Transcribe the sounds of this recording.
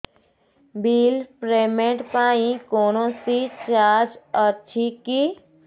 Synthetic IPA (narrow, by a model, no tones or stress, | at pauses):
biːlpɾeːmeʈpaːĩkoːnõsit͡ʃaːd͡ʒətːt͡ʃʰiki